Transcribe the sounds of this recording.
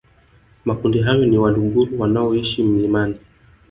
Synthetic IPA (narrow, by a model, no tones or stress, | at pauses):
makundiɦajɔniwaɗuŋɡuɾuwanaɔiʃim̩nimani